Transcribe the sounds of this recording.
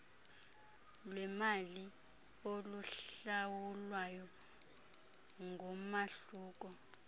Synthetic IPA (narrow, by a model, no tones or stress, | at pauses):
lwɛmali | oluɬawulwajɔ | ŋɡʱɔmaɬuːk̬ʼɔ